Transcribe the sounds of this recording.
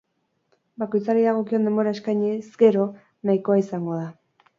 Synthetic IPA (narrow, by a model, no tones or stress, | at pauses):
bako̞jt͡saɾiðaɣ̞o̞kio̞nd̪e̞mboɾaeskajɲizɡe̞ɾo̞ | najko̞aisaŋɡo̞ð̞a